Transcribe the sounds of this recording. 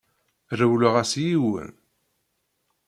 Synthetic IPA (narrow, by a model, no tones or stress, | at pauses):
ɾəwləʁæsjiwə̰n